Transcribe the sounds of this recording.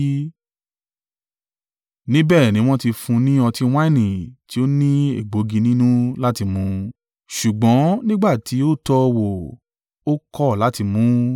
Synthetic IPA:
nĩ˦bɛː˦˨nĩ˨˦w̃ɔ̃˦ti˧fũ˧nĩ˦ɔ˧tĩ˧w̃ã˦˨nĩ˨ti˨˦o˦nĩ˦ḛ˦˨ɡ͡bo˨˦ɡĩ˧nĩ˦nũ˦la˦ti˧mũ˨˦ | ʃu˨ɡ͡bɔ̃˨˦nĩ˦ɡ͡ba˦˨ti˨˦o˦tɔ˧wo˨ | o˦kɔ˦˨la˨˦ti˧mũ˨˦

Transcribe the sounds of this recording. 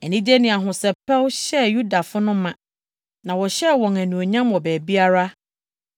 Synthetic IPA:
ɛ˨nĩ˦d͡ʑe˦nɪ̃˨a˨ɦʊ̃˨sɛ˨pʰɛ˦wɕɛ˦ju˦da˨fʊ˦nʊ̃˦mã˨ | nã˨wɔ˨ɕɛ˦wɔ̃˨ŋæ˨nũ˨o˨ɲã˦mɔ˨bæː˨bi˦a˦ɾa˦

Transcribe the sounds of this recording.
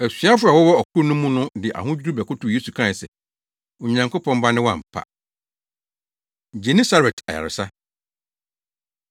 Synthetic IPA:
æ˨sɥa˦fʊ˦a˨wɔ˦wɔ˦ɔ˨kʰʊ˦nʊ̃˦mũ˦nʊ̃˦dɪ˨ʔa̰˨ɦʊ̃˦d͡ʑᶣu˦ɾu˦bɛ˨kʊ˦tʊ˨je˦su˨kʰa˦ɪ˨sɛ˨ | ʊ˨ɲã˨ŋkʰo˦pʰɔ̃˦mba˦nɪ̃˦wɔ˦ã̰˨m̩˨pʰa̰˨ | d͡ʑe˨nĩ˦sa˦ɾɛ˨tʰa˨ja̰˨ɾɪ̰˨sa˦

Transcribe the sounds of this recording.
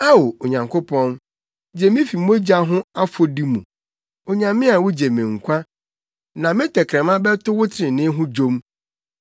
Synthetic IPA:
a˦wo˨o˨ɲã˨ŋkʰʊ˦pʰɔ̃˦n | d͡ʑe˨mɪ̃˦fi˨˦mo˦d͡ʑa˦ɦʊ̃˦a˦fo˦di˦mũ˨ | o˨ɲã˨mɪ̃˦a˨wʊ˦d͡ʑe˨mɪ̃˨ŋ̩˨kʷʰa˦ | nã˨mɪ̃˦tʰɛ˨kʰɾɛ̃˨mã˦bɛ˦tʰʊ˦wʊ˦tʰɪ̃˨nɪ̃˦ɦʊ̃˦d͡ʑo˦m

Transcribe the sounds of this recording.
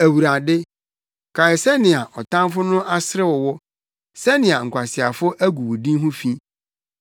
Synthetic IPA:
æ˨wu˨ɾa˨dɪ˦ | kʰa˨ɪ˨sɛ˦nɪ̃˨a˨ʔɔ˨tʰã˦mfʊ˦nʊ̃˦ʔa˦sɪ˦ɾɪ˦wɔ˨wɔ˦ | sɛ˦nɪ̃˨a˨ŋ̩˨kʷʰa˨sɪ˨a˨fʊ˦ʔæ˦ɡu˨wʊ˨dĩ˦ɦʊ̃˦fĩ˦

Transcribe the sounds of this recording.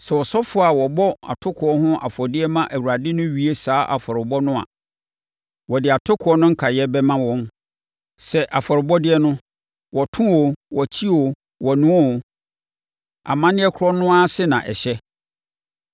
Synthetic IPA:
sɛ˨wɔ˨sɔ˦fʊ˦a˨wɔ˨bɔ˦a̰˨tʰʊ˦kʰʊ˨ɔ˦ɦʊ̃˦ʔa̰˨fɔ˨dɪ˦ɛ˦mã˦ʔæ˨wu˨a˨dɪ˦nʊ̃˦ɥi˦e˦saː˨˦ʔa̰˨fɔ˨ɾɪ˨bɔ˦nʊ̃˦a̰˨ | wɔ˨dɪ˨a˨tʰʊ˦kʰʊ˨˦ɔ˦nʊ̃˦ŋ̩˦kʰa˨jɛ˦bɛ˦mã˦wɔ̃˦n | sɛ˨ʔa˨fɔ˨ɾɪ˨bɔ˦dɪ˦ɛ˦nʊ̃˦ | wɔ˨tʰʊ̃˦wo˨wɔ˨t͡ɕʰi˦wo˨ | wɔ˨nũ˨˦ɔ˦˨ | a̰˨mã˦nɪ̃˦ɛ˦kʰʊ˦ɾɔ˦nʊ̃˦a˦sɪ˦nã˨ʔɛ̰˨ɕɛ˦

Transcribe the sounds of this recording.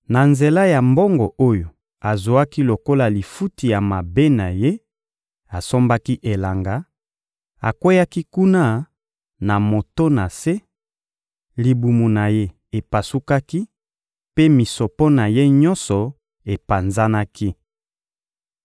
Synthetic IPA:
na˨nze˨la˦ja˨mbɔ˦ŋɡɔ˨o˦jo˨ | a˨zo˨a˦ki˦lo˨ko˦la˨li˨fu˦ti˨ja˨ma˨be˦na˨je˦ | a˨so˦mba˦ki˦ʔe˨la˨ŋɡa˦ | a˨kwe˦ja˦ki˦ku˦na˦ | na˨mo˨to˦na˨se˦ | li˨bu˨mu˨na˨je˦ | e˨pa˨su˦ka˦ki˦ | pe˦mi˨so˨pɔ˦na˨je˦ɲɔ˦nsɔ˨ | e˨pa˨nza˦na˦ki˦

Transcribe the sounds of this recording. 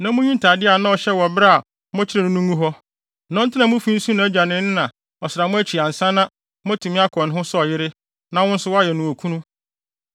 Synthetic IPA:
nã˦mʊ̃˦ɲũ˦n˦tʰa˨dɪ˦a˨nã˦ɔ˨ɕɛ˦wɔ˨bɾa˦a˨ | mɔ̃˦t͡ɕʰɪ˦ɾɛ˨nʊ̃˦nũ˦ŋũ˦ɦɔ˦˨ | nɔ̃˦n̩˦tʰɪ˦nã˨mʊ̃˦fi˦n̩˦sũ˦nã˨æ˦d͡ʑᶣa˨nɪ̃˦nɪ˦nã˨ | ɔ˨sɪ˨ɾa˨mʊ̃˦æ˦t͡ɕʰi˨ã˨n̩˨sã˦nã˦ | mɔ̃˦tʰũ˨mĩ˦a˦kʰɔ̃˨n˨ɦʊ̃˦sɔ˦ɔ˨jɪ˦ɾɪ˦ | nã˨wʊ̃˦n̩˦sʊ˦wɔ˦a˦jɛ˨nũ˨o˨kʰũ˦nũ˦

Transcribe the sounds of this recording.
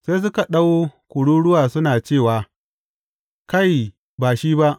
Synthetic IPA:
sa˦s̬ʊ˦ka˨ɗa˦woː˦kʷʊ˨ɽuː˦ɽʊ˦waː˨sʊ˦naː˨t͡ʃeː˦˨waː˨ | ka˦˨j | baː˨ʃiː˦ba˦ʔ

